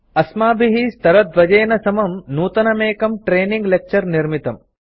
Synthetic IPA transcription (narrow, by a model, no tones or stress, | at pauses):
ɐsmaːbʱiɦist̪ɐɾɐd̪ʋɐd͡ʒɐːnɐsɐmɐmnuːt̪ɐnɐmeːkɐmʈɾeːniŋɡlek̚t͡ʃɐɾniɾmit̪ɐm